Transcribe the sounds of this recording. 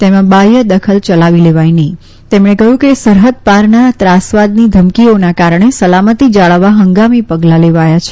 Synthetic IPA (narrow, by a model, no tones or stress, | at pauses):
t̪emãbajəd̪əkʰəlt͡ʃəlaʋileʋajnəɦĩ | t̪emɳekəɦjũkesəɾɦəd̪̚paɾnat̪ɾasʋad̪nid̪ʱəmkionakaɾəɳesəlamət̪id͡ʒaɭəʋaɦəŋɡamipəɡlaleʋajat͡ʃʰe